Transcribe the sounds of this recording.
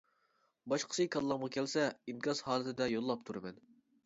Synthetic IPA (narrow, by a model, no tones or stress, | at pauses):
bɑʃqʰə̥sɨkʰɑllːˠɑmʁɑkʲʰɛlsɛimʲɑzhɑːlˠɨt̪ʰɪd̪ɛjolˠːɑp̚t̪ʰuɾɨmɛn